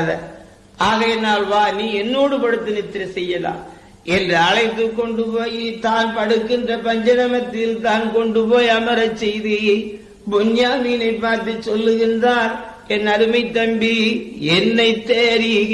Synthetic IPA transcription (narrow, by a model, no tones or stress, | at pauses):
ðɐ̰ | aːɣɐɛnːaːlʋaːniːɛnːoːɽɯpɐɽɯt̪ːɯnɪt̪ːɪɾɐsɛjːɐla̰ːm | ɛndrɯɐɻɐɪt̪ːɯkːɔɳɖɯpoːjit̪aːnpɐɽɯkːɪndrɐpɐɲd͡ʒɐnɐmɐt̪ːɪlt̪aːnkɔɳɖɯpoːjɐmɐɾɐt͡ʃːɛjði | bʊɲjaːminɐɪpːaːɾt̪ɯt͡ʃːɔlːɯɣɪndraːl | ɛnːɐɾɯmɐɪt̪ːɐmbiɛnːɐɪt̪ːeːɾi